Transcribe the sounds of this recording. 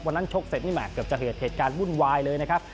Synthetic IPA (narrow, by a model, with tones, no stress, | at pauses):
wa˧nːa˦˥nt͡ɕʰo˦˥k̚se˨˩t̪̚miː˥˩ma̰ː˨˩kːɯː˨˩əpt͡ɕa˨˩ɦeː˨˩t̪̚heː˨˩t̪̚kaː˧nwu˥˩nwaː˧jlɤː˧jna˦˥kʰa˦˥p̚